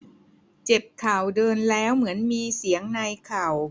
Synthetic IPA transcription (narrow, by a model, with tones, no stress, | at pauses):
t͡ɕe˨˩p̚kʰaː˨˩wdɤː˧nlɛː˦˥wmɯ˩˦ənmiː˧si˩˦əŋna˧jkʰaː˨˩w